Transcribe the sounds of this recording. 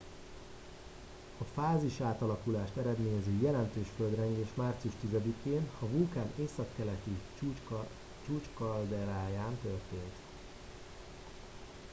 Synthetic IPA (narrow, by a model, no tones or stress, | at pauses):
ɒfaːziʃaːt̪ɒlɒkulaːʃt̪ɛɾɛd̪meːɲɛzøːjɛlɛnt̪øːʃføld̪rɛŋɡeːʃmaːrt̪siuʃt̪izɛd̪ikeːnɒvulkaːneːsɒkːɛlɛt̪i | t͡ʃuːt͡ʃkɒld̪ɛɾaːjaːnt̪ørt̪eːnt̪